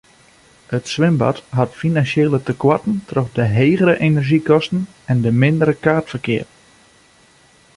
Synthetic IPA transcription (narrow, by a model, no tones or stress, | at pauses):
ətswɪmbɔ̰tɦɔtfinansjeːlətəkwatən̩trɔxdəɦeːɣəɾəʔenərʒikɔstn̩ | ɛndəmɪndəɾəkaːrtfərkɪːər